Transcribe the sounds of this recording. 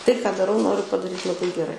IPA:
ˈtɐɪ kɑː dɐˈrɐʊ ˈnoːrʲʊ pɐdɐˈrʲiːt lˠɐˈbɐɪ ɡʲɛˈrɐɪ

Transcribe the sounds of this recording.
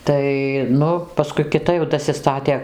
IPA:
ˈtɐɪ ˈnʊ pɐˈskʊɪ kʲɪˈtɐ jɛʊ dɐsʲɪˈstɑːtʲeː

